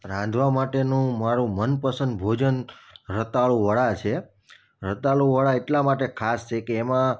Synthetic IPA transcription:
ɾãnd̪ʱʋamaʈenũmaɾũmənpəsə̃nd̪̚bʱod͡ʒənɾət̪aɭũʋəɭat͡ʃʰe | ɾət̪aɭũʋəɭaeʈlamaʈekʰast͡ʃʰekeːmã

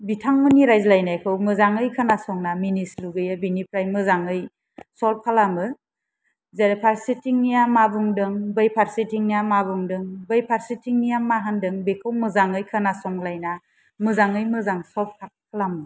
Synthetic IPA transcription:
bitʰaŋmɯniɾajzlajnajkʰɯwmɯzaŋɯjkʰɯnasɔŋnaminisluɡɯjabinipʰɾajmɯzaŋɯj | sɔlp̚kʰalamɯ | zeɾpʰaɾsitʰiŋnijamabuŋdɯŋbɯjpʰaɾsitiŋnijamabɯŋdɯŋbɯjpʰaɾsitʰiŋnijamːaɦandɯŋbekʰɯwmɯzaŋɯjkʰɯnasɔŋlajna | mɯzaŋɯjmɯzaŋsɔlp̚kʰakʰalamɯ

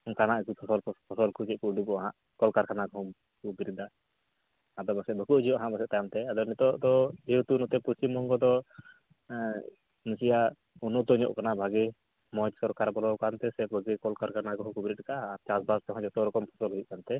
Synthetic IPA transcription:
nkanaʔkupʰɔsɔlpʰɔsɔlkud͡ʒɛʔ̚kuɖuɡɔaɦã̰ʔ | kɔlkaɾkanaɡɔɦɔ̃ | kubiɾid̪a | ad̪ɔbasɛbʱəkuʔd͡ʒijɔʔaɦãʔbasɛʔ̪t̪ajamt̪ɛad̪ɔnit̪ɔʔd̪ɔit̪unɔt̪ɛpuɾsimɔŋɡɔd̪ɔ | nisija | unɔt̪ɔɲɔ̰ʔkanabʱaɡɛ | mɔt͡ʃsɔɾkaɾbɔlɔwkant̪ɛsɛbʱəɡɛkɔlkaɾkanaɡɔɦɔ̃kubiɾit̪̚kaːɾt͡ʃasbast̪ɔɦɔ̃d͡ʒɔt̪ɔɾɔkɔmpʰɔ̥sɔlɦujuʔkant̪ɛ

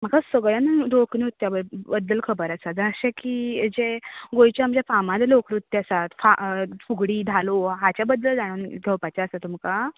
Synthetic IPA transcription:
m̤əkasəɡɭjãnd̪oknĩɦot̪ːjabəbəd̪ːəlkʰəbəɾasat̪d͡zəəɕãkid͡ʑeɡojt͡ɕjaamd͡ʑafamad̪lokɾut̪ːjasat̪fa̰fuɡɽiːd̪ʱaloɦat͡ɕjabəd̪ːəld͡zaɽ̃ənɡʱewpat͡ɕaəsat̪umka

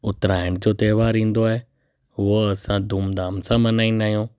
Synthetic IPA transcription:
ʊt̪ɾaːɪɽ̃d͡ʑoːt̪eːʋaːɾĩːn̆d̪oaːɦe | ɦʊɦoɐsãd̪ʱuːmd̪aːmsãmɐnaːĩnd̪aːɦijõː

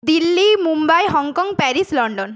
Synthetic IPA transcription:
d̪ilːimumbajɦɔŋkɔŋɡpɛɾislɔɳɖɔn

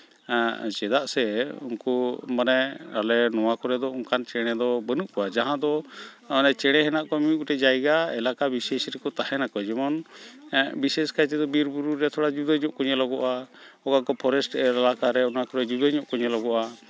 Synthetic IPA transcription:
t͡ʃɛd̪aʔsɛṵnkɔmanɛalɛnɔwakɔɾɛd̪ɔuŋkant͡ʃɛɽ̃ɛd̪ɔbənuʔkɔwad͡ʒaɦãd̪ɔ | anɛt͡ʃɛɽ̃ɛɦɛnaʔkɔmiukuʈɛd͡ʒajɡaɛlakabisɛsɾɛkɔt̪ahɛnakɔd͡ʒɛmɔn | bisɛskajt̪ɛd̪ɔbiɾbuɾuɾːɛt̪ʰɔɽad͡ʒud̪əɲɔʔkɔɲɛlɔɡɔʔaɔkakɔpʰɔɾɛsʈʔɛɾalakaɾɛɔnakɔɾɛd͡ʒud̪əɲɔʔkɔɲɛlɔɡɔʔa

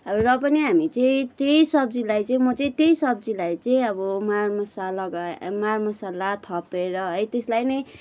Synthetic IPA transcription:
ʌbrʌpʌniɦamit͡sʌĩt̪ejsʌb̚d͡zilajt͡sʌĩmʌt͡sʌĩt̪jejsʌb̚d͡zilajt͡sʌĩʌbʌmarmʌsalʌɡamarmʌsalat̪ʰʌpeɾʌɦʌjt̪eslajnʌj

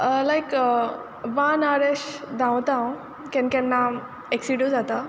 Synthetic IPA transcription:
əlajk | ʋãnaɾeɕd̪ãwt̪ãw̃ | kɛ̃nkɛ̃nːa | eksiɽud͡zat̪a

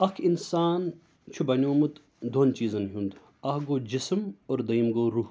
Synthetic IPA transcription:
ɐkʰinsaːn | t͡ʃʰubɐnʲjoːmut̪ | d̪ʱoːnt͡ʃiːzɐnɦũnd̪ | ɐhɡoːd͡ʒismoːɾd̪ɐimɡoːɾuːh

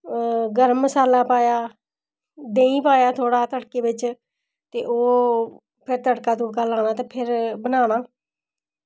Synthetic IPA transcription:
ɡəɾmːəsaːlaːpaːjaː | d̪ẽːĩːpaːjaːt̪ʰoːɽaːt̪əʈkeːbɪt͡ʃ | t̪eːʔoː | pʰɪɾt̪əʈkaːd̪uːɾkaːlaːnaːt̪eːpʰɪɾbənaːnaː

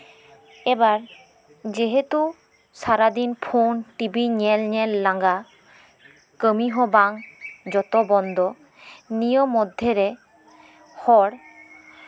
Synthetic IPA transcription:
ɛbaɾ | d͡ʒeɦet̪u | saɾad̪inpʰonʈibiɲɛlɲɛlːaŋɡa | kəmiɦɔbaŋd͡ʒɔt̪ɔbɔnd̪ɔ | nijɔmːɔd̪ʱːeɾɛ | hɔɽ

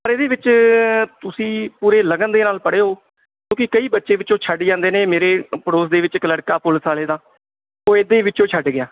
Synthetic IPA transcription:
pəɾeːd̪eːʋɪt͡ʃt̪ʊsĩːpuːɾeːləɡənd̪eːnaːlpəɽeːɦoː | kõːkɪkəiːbətːʃeːʋɪt͡ʃõːt͡ʃʰəɖd͡ʒãːnd̪eːneːmeːɾeːpəɽoːsd̪eːʋɪt͡ʃkələɽkaːpʊlsaːleːd̪ãː | oːeːd̪ẽːʋɪt͡ʃõːt͡ʃʰəɖɡɪjaː

